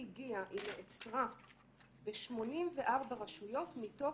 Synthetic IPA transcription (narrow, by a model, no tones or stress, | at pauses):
iɡiaʔimʔet͡sʁa | beʃmo̞nimve̞ʔaʁbaʁaʃujo̞tmito̞